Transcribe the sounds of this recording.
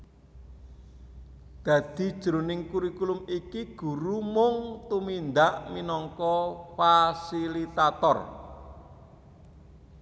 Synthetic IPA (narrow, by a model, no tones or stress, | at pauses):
d̪̥ä̤d̪̥i̤d̥ʒ̥ɾo̤nɪŋkuɾikulʊmikiɡ̥ṳɾumʊŋt̪umind̪aʔminɔŋkɔfasilit̪at̪ɔr